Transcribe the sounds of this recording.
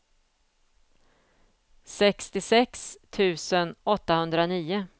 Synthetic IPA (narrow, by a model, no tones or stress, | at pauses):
sɛkst̪ɪsɛkst̪ʰʉ̟ːsənɔt̪ːahɵnd̪ɾaniːʊ